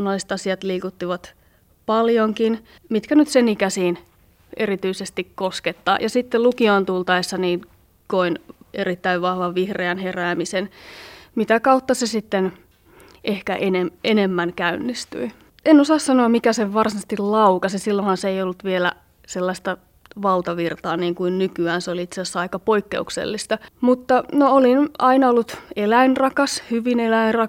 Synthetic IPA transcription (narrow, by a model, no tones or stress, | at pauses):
nːɑlːˑist̪ɑsiɑt̪liːkut̪ːiʋɑt̪ | pɑljoŋkin | mit̪kænyt̪senikæsiːn | erit̪yisest̪ikkosket̪ːɑ̰ːjʔɑsit̪ːelukioːnt̪ult̪ɑesːɑniːn | koineɾit̪ːæiʋʋɑhʋɑʋʋihreɑnheræːmisenmit̪ækɑut̪ːɑsesit̪ːen | ʔehkæʔenemenemːænkæynːist̪y̰i | enosɑːssɑnoɑmmikæseʋʋɑrsinɑst̪illɑukɑsisilːonhɑnseeijolːut̪ʋielæ | selːɑst̪ɑ | ʋɑlt̪ɑʋirt̪ɑːniːŋkuinnykyæːnseoliit̪seɑsːɑikɑpoikːḛuksḛlːist̪ɑmut̪ːɑnoolinɑinɑolːut̪elæinrɑkɑshyʋinelæinrɑ